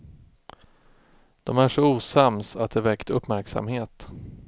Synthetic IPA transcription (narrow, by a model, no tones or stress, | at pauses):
d̪̥ɔmæʂɔuːsamsat̪̚d̪ɛvɛkt̪ɵpːmæɾksa̰mheːt̪